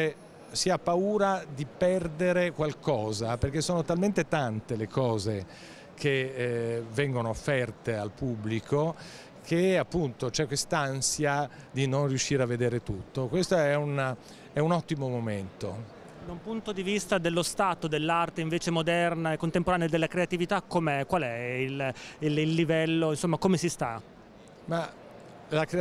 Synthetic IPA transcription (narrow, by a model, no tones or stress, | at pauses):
e | siapːauːɾad̪ipɛrd̪eɾekwalkɔːzaperk̟esːoːnot̪alment̪et̪ant̪elekʰɔːze | kʰe | vɛŋɡonoofːɛrt̪ealpubːlikʰo | kʰeapːunt̪ot͡ʃɛkːwest̪aansja | d̪inonrijuʃːiːɾeavːed̪eːɾet̪ut̪ːokwest̪oɛun | ɛunɔt̪ːimomoment̪o | d̪aumpunt̪od̪ivist̪ad̪elːost̪aːt̪od̪elːart̪eiɱveːt͡ʃemod̪ɛrnaekːont̪empoɾaːnead̪elːakɾeat̪ivit̪akːomɛkwalɛilililːivɛlːoinsomːakomesist̪a | ma | lakɾ